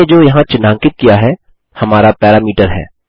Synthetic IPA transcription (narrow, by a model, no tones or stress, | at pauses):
ed͡ʒoːjɐɦãt͡ʃɪnãːŋkɪt̪̚kijaɦɛː | hɐmaːɾapɛːɾaːmiːʈəɾɦɛ̰ː